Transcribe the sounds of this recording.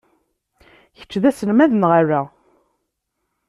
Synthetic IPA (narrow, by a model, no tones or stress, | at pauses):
çə̥t͡ʃːðæsənmæðənʁaræ